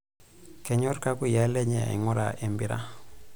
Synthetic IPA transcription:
kɛ˨ɲo˦ɾka˦ku˦ja˦le˦ɲe˨a̰˨ḭ˨ŋɔ˦ɾa̰˨ʔe˨mbi˦ɾa̰˦

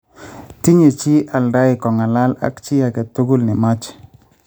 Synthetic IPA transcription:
ti˦ɲe˨t͡ʃi˦ʔa˨lɾa˦ɪ˨kɔ˨ŋa˨la˦la̰˦kt͡ʃɪ˦a˨kɛ˨tu˦ɡu˦lnɪ˨ma˦t͡ʃ

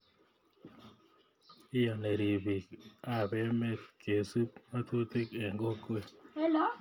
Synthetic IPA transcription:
ɪ˦ja˨ne˨ɾi˨bi˨ka˦˨bɛ˦me˦tke˨su˦p̚ma˦t̪u˦t̪i˦ke˨ŋɡo˦kwe˦ɛ˦lɔ˨˦

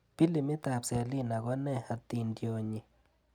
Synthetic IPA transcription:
pi˦li˧mi˦t̪a˧˨pse˧li˦na˨ɡʷa˦ne˦˧ha˧t̪i˧nd̪jo˧ɲi˧

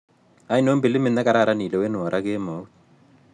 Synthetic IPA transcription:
a˨i˦no˦mbi˨lɪ˦mɪ˦na˦ka˨ɾa˦ɾa˦ni˨lɛ˨we˦nʊ˨ɔ˨ɾʔa˦ke˦mo˨˦

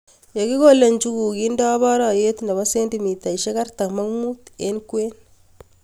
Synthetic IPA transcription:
jo˨ki˦ko˦le˨nt͡ʃu˦ku˨ki˦ndɔ˦bɔ˦ɾɔ˨je˦tna˨βɔ˦se˦ndi˨mi˨ta˨i˨ʃe˦ka˦rta˨kma˦ŋmu˦te˦nkwe˦n

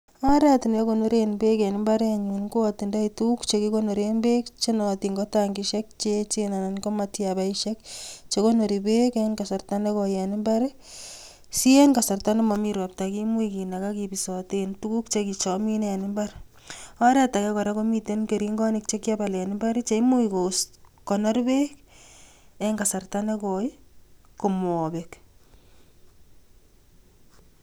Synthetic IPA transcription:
a˦ɾɛ˦ti˨na˦ko˨no˦ɾenbe˦ke˨nɪ˦mba˦ɾaɲunko˦ati˨nda˦itu˦kt͡ʃekiko˦no˨ɾenbe˦kt͡ʃe˦nɔtiŋɡɔ˦taŋɡiʃɛk̚t͡ʃet͡ʃena˨na˨nko˦matjabaiʃɛkt͡ʃe˦ko˦no˨ɾibe˦kenkasa˨rtane˦kɔ˨jɛ˨nɪ˦mba˦ɾe | si˦e˦nka˨sa˨rta˦ne˦mami˦ɾɔ˨p̚taki˦mu˦ikina˨ka˦kipisɔtentuku˦k̚t͡ʃeki˨t͡ʃɔmi˦ne˨nɪ˦mba˦ɾ | ɔɾɛ˦ta˨kɛ˦kɔ˨ɾa˦ko˦mi˦tenke˨ɾi˦ŋɡɔ˦nɪk̚t͡ʃe˦kja˦ba˨lɛ˨nɪmba˦ɾi˦t͡ʃe˨i˦mu˦iko˨skɔ˨nɔ˦ɾbe˦k | ɛŋɡa˨sa˨rtane˦kɔjko˨mɔbek

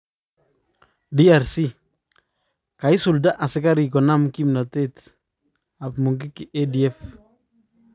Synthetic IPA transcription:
diaɾsi˦ | ka˨i˦su˨lda˦ʔa˨sɪ˦ka˦ɾikɔ˨na˦mkimna˨tet | apmu˨ŋɡɪ˦kiʔedi˨ɛ˦f

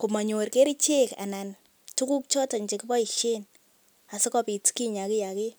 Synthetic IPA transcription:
ku˨ma˨ɲo˨ɾke˦ɾi˦t͡ʃe˦ka̰˨na˨n | tu˦ku˦k̚t͡ʃɔ˦ta˨ɲt͡ʃe˨ki˦bɔ˦i˨ʃe˦n | a˨sɪ˦kɔ˦pi˨tki˦ɲa˨kɪ˦ja˨ke˦

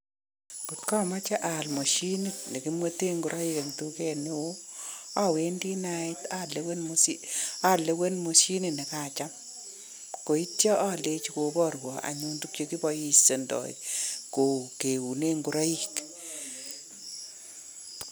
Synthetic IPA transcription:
ku˨tka˦˨ma˦t͡ʃa˦ʔa˨lmo˨ʃi˦ni˦tnɛ˨ki˦mwe˦te˦ŋɡʊ˨ɾʔa˦ji˦ka˨ŋtu˦kɛ˦nɪ˦wo˦a˦˨we˦ndi˦naɪta˦lewe˦nmsia˦˨le˨˦we˦nmo˨ʃi˦ni˦nɛ˨ka˦˨t͡ʃa˦m | ko˨i˦tjɔ˦ʔa˦˨le˦t͡ʃiko˨bɔ˦˨ɾwɔ˨a̰˨ɲu˦ntu˦kt͡ʃe˦ki˦bɔ˨ji˦se˨ndɔ̰˨ḭko˨ke˨wu˨ne˦ŋɡu˨ɾa˦ji˨k

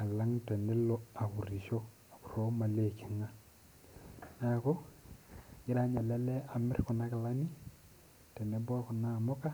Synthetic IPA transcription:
a˨la˦ŋtɛ˨nɛ˦lɔ˦a˨ku˨ɾi˨ʃɔ˦ | a˨ku˨ɾo˦ma˨le˦˨ke˨ŋa˦ | na˨kɔ˦ | ɲɪ˦ɾa˦ɲa˨lɛ˦lɛ˦a˨mɪ˦ɾkɔ˨na˦ka˨la˦ni˦ | tɛ˨nɛ˦bɔ˦kʊ˨na˦˨mɔ˦ka˦

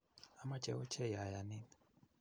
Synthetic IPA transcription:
a˨ma˦t͡ʃʼɛ˦ɔ˦t͡ʃʰɛ˦ja˨ja˨ni˦n

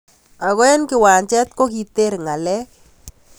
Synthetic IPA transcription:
a˨ɣwɛ˦nkɪ˨wa˨ɲt͡ʃɛ˦t̪ko˦k̬i˨t̪e˦ɾŋa˨lɛ˦k

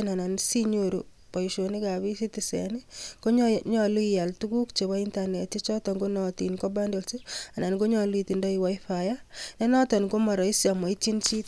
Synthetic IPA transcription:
na˨na˨nsi˦ɲoɾṵ˨ | pɔ˨iʃo˨ni˦ka˨βi˦si˦tisɛ̰˨ni˦ko˦ɲɲɔ˨lu˦i˨ja˨ltu˦ɡu˦kt͡ʃe˨bɔ˦i˦nta˨ne˨ti˦t͡ʃɔ˦tɔ˨ŋɡo˦nɔti˨nko˦ba˦ndo˨lse˦a˨na˨nɡo˦ɲɔ˨lu˦iti˨ndɔ˦i˨wa˦i˦fa˨ja˦nɛ˦nɔ˦tɔ˨nɡo˦mɔ˨ɾɔ˨i˦sja˨ma˨i˦t͡ʃi˦nt͡ʃi˦t

